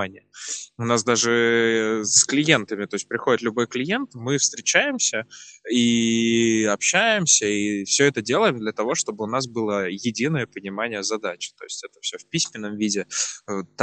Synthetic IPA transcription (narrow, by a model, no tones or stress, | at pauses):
anʲɪjəʊnasd̪aʐɨ | sklʲɪje̞nt̪əmʲɪt̪o̞ɪsʲt̚ʲpɾʲɪxo̞dɪt̪lʲʊbo̞jklʲɪje̞nt̪mɨfst̪ɾʲɪt͡ɕæjɪmsʲəi | ɐpɕːæjɪmsʲəifsʲɵɛt̪ədʲe̞lˠəjɪmd̪lʲət̪ɐvo̞ʂt̪o̞bɨʊnas̬bɨlˠəjɪdʲinəjəpənʲɪmanʲɪjəzɐd̪at͡ɕɪ̥t̪o̞̰ɪsʲtʲɛt̪ə̥fsʲɵfpʲisʲmʲɪnːəmvʲidʲɪt̪